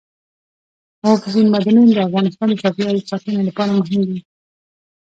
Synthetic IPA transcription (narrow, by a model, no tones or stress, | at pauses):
hɑfɪzinmad̪anund̪əafɣɑnɪst̪ɑnd̪əsɑfiɑlisɑtənalapɑɾamʊɦɪmd̪i